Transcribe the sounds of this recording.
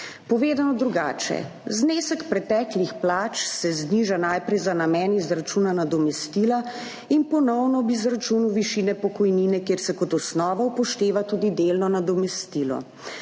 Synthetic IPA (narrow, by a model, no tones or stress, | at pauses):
pɔʋeːd̪anɔd̪ɾuɡaːt͡ʃɛ̰ | zneːsəkpɾɛt̪ɛːklixplaːt͡ʃsɛzniʒanajpɾɛjzanamɛːnizɾat͡ʃunanad̪ɔmɛst̪ila | inpɔnɔwnɔbizɾat͡ʃuːnuwʋiʃiːnɛpɔkɔjniːnɛkeːɾsɛkɔt̪ɔsnɔːʋaupɔʃt̪eːʋat̪uːd̪id̪eːlnɔnad̪ɔmɛst̪iːlɔ̰